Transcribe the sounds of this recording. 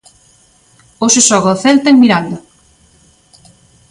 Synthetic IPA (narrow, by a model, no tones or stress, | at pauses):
oʃeʃɔɣaːθɛlt̪ɐeŋmiɾand̪a